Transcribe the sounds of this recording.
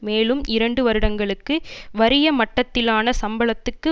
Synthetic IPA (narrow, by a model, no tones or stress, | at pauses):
meːlɯmɪɾɐɳɖɯʋɐɾɯɽɐŋɡɐɭɯkːɯʋɐɾɪjɐmɐʈːɐt̪ːɪlaːnɐsɐmbɐɭɐt̪ːɯkːɯ